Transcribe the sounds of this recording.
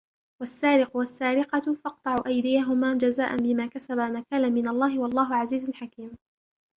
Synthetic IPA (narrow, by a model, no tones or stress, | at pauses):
wasːaːɾɪqʊwasːaːɾɪqɑfɑq̚t̪ˤɑʕuʔajd̪ɪjaɦʊmaːd͡ʒazaːʔanbɪmaːkasabamakaːlamɪnalˤːɑːɦɪwɑlˤːɑːɦʊʕaziːzʊnħakiːm